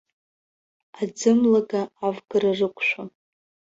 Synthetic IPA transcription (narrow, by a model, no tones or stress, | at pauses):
ad͡zɨmlaɡaːvɡɨrarɨkʷʰʼʃʷᶣon